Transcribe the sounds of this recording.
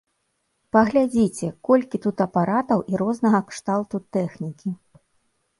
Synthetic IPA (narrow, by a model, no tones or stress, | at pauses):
pɐɣlʲad͡zʲit͡sʲɛkɔlʲkʲit̪ut̪ɐpaɾat̪ɐwʔiɾɔznɐɣɐkʂt̪alˠt̪ut̪ɛxnʲikʲi